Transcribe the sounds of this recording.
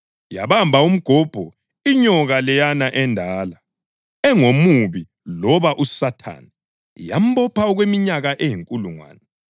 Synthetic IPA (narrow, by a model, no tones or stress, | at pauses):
jaβambʱaum̩ɡ̥ʱɔb̥ʱɔ | iɲɔɣalɛjanaʔɛndʱaːla | ɛŋomuβi | lɔβaʔusatʰa̰ːna | jam̩bɔpʰaɔɣwemiɲaɣaʔejiŋkʼuluŋwa̰ːnɛ